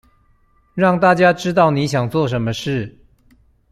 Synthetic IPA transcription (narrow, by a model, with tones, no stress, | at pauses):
ɻɑ˥˧ŋt̪a˥˨t͡ɕja˥ʈ͡ʂɻ̩˥t̪̬ɑ˥˩ʊni˧˥ɕjɑ˨˩ŋt͡swɔ˥˩ʂ̬ə˧˥nmə˧ʂɻ̩˥˩